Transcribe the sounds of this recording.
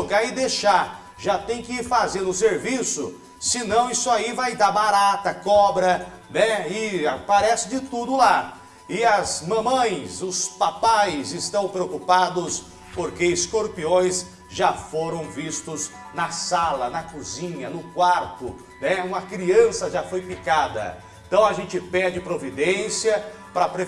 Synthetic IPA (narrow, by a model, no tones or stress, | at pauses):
ɡaɪd̪eʃaɾ | ʒat̪ẽj̃kɪfazeɾʊseɾvisʊ̰ | sɪnɐ̃w̃isʊaivajd̪abaɾat̪ɐkɔbɾɐnɛɪapaɾɛsɪd͡ʒɪt̪ud̪ʊla | ɪɐzmɐ̃mɐ̃j̃sʊspapajzɪst̪ɐ̃w̃pɾeokupad̪ʊs | poɾkeɪskoɾpiõj̃s | ʒafoɾɐ̃w̃vist̪ʊz | nɐsalɐnɐkuzĩɲɐnʊkwaɾt̪ʊ | nɛũmɐkɾiɐ̃sɐʒafojpikad̪ɐ̰ | ẽt̪ɐ̃w̃ɐʒẽnt͡ʃɪpɛɾd͡ʒɪpɾovid̪ẽsiɐ | pɾɐpɾe